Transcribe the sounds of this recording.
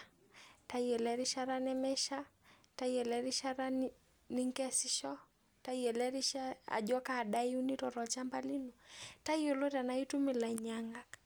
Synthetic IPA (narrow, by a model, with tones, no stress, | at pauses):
ta˨iɛ˨lɛɾi˦ʃa˦ɾa˦nɛmɛ˦ʃa˦ta˦jɛ˨lɛɾi˦ʃa˦ɾa˦n | ni˦ŋkɛ˦si˦ʃɔ˦ | ta˦iɛ˨lɛɾi˦ʃa˦a̰˨d͡ʒɔ˦kaː˦˨ɗa˦ju˦ni˦tɔ˨ɾɔ˨t͡ʃa˦mba˦li˦nuta˦i˦o˨lo˦ta˨na˨itu˦mɪ˨la˨ɲaŋɡa˨k